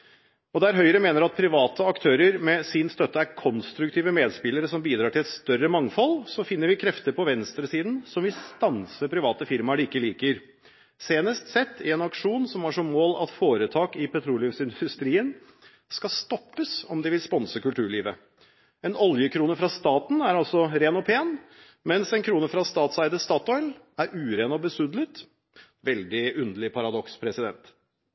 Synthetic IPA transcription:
ɔd̪ɛæɾɦœʏəɾəmeːnəɾɑt̪̚pʰɾɪʋɑːt̪ʰəɑkt̪ʰøːɾəɾmɛsɪnst̪œt̪ːəæɾkʰɔnst̪ɾʉkt̪ʰiːʋəmeːd̪spɪləɾəsɔmbiːd̪ɾɑːʈʰɪlɛt̪st̪œrəmɑŋfɔlsɔfɪnːəɾʋɪkʰɾɛft̪əɾpʰɔʋɛnst̪ɾəsiːd̪n̩sɔmʋɪst̪ɑnsəpʰɾɪʋɑːt̪əfɪɾmɑɖɪkːəliːkəɾ | seːnəst̪sɛt̪ʰːɪ̰ɛnɑkʂuːnsɔmæʂɔmːoːlɑ̰t̪foːɾət̪ʰɑːkɪpʰɛt̪ʰɾuːlɪfsɪnd̪ʉst̪ɾiːən | skɑst̪ɔpːəsɔmd̪ɪʋɪlspɔnsəkʉlt̪ʰʉːɭiːʋə | ɛnɔljəkʰɾuːnəfɾɑst̪ɑːt̪n̩æɾɑlsɔɾeːnɔpʰeːn | mɛnsɛnkʰɾuːnəfɾɑst̪ɑːt̪sæɪd̪əst̪ɑːt̪ɔʏl | æɾʔʉːɾeːnɔbəsʉd̪lət̪ | ʋɛld̪ɪʉnd̪əlɪpʰɑɾɑd̪ɔkspʰɾɛsɪd̪ɛnt̪

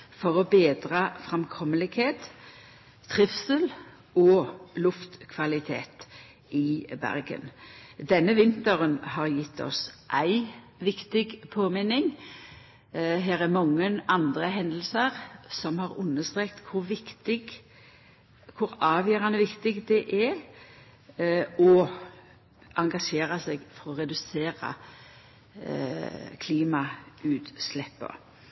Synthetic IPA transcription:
fɔʁɔbeːd̪ʁɑfʁɛmkʰɔmːəlɪɡheːt̪ | t̪ʰʁɪfsəl | ɔlʊft̪kʰʋɑlɪt̪ʰḛːt̪ | ʔɪbæ̰ʁɡə̰nd̪ɛnːəʋɪnt̪əʁənhɑʁjɪt̪ʰːɔ̰sʔæɪ | ʋɪkt̪ɪɡpʰoːmɪnɪŋ | ɦeːɾæʁmɑŋːənɑnd̪ʁəɦɛnd̪l̩səʁsɔmhɑɾʉnːəst̪ʁeːk̚t̪kʰʊɾʋɪkt̪ɪɡ | kʰʊɾɑːʋjœːɾɑnəʋɪkt̪ɪɡd̪ɛʔɛɾ | ɔ | ʔɑŋɡɑʂeːɾɑsɛɡfɔɾɔɾɛd̪ʉseːɾɑ̰ | kʰliːmɑʉːt̪slɛpːə̰

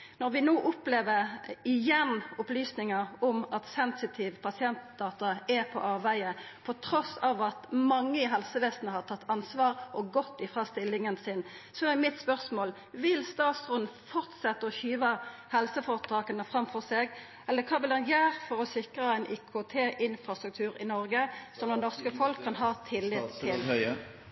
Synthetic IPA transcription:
nɔʁʋɪnoːʔʊpleːʋəʁɪjɛnʊplyːsnɪŋəʁɔmɑt̪sɛnsɪt̪ʰiːʋpʰɑsɪɛnt̪̚d̪̥ɑːt̪ɑɛpʰɔ̰ʔɑːʋæɪəpʰɔt̪ʰɾɔsɑːʋɑt̪mɑŋːəɪɦɛlsəʋeːsnəhɑʁt̪ʰɑt̪ːɑnsʋɑːʁʔɔɡɔt̪ːɪfʁɑst̪ɪlːɪŋənsɪn | sɔɛmɪt̪spœʁsmoːl | ʋɪlst̪ɑːt̪sʁʉn̩fɔʁt̪sɛt̪ːəɔçyːʋəhɛlsəfɔʁət̪ʰɑːkənəfɾɑmfɔʁseːɡ | ɛlːəkʰɑːbəlɑnjæːɾfɔʁɔsɪkʁəæɪnʔɪkʰot̪ʰeːʔɪnfɾɑst̪ʁʉkt̪ʰʉːʁɪnɔʁɡəsɔmd̪ɛnɔʁskəfɔlkʰːɑnɦɑːt̪ʰɪlːɪd̪t̪ʰːɪl

